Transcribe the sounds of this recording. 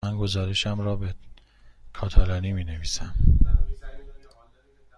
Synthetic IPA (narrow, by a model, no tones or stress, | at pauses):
ænɡo̞zɒːɾeʃæmɾɒːbe | kʰɒːt̪ʰælɒniːmiːne̞viːsæm